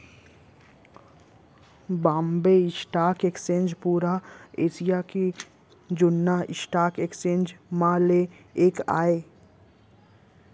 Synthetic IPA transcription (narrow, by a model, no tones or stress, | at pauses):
bãːmbeɪsʈaːkeksẽːnd͡ʒpuːɾaeːsijake | d͡ʒʊnːaɪ̰sʈaːkeːksẽːnd͡ʒmãle | eːka̰ːeː